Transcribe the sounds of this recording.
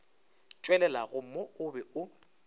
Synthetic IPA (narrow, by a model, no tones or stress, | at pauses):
t͡ʃʼwɛlɛlaɣʊm̩mɔʊbɛʊ